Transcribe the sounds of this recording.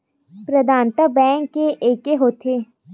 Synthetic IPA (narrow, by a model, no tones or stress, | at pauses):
pɾəd̪ʱaːnt̪abɛ̃ːŋkːeʔeːkeɦoːt̪ʰeː